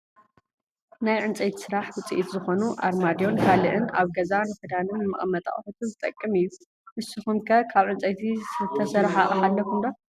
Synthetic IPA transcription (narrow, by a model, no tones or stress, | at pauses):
najʕɨnt͡sʼɐjt̪ʰi̥sɨɾaħwɨt͡sʼiʔit̪zɨxo̞nuʔa̰ɾmad̪jo̞nkʰalɨʔɨnaβɡɐzanfɨd̪anɨnmɨ̰χʼmɐt̪ʼa̰χʼħut̪ʰɨnzɨt̪ʼɐkʼːɨmɨjːu | ʔɨsɨxumkʰɐkʰaβʕɨnt͡sʼɐjt̪ʰiɨt̪ʰːɐsɐɾħaʔʼɐħalːɐkʰumd̪o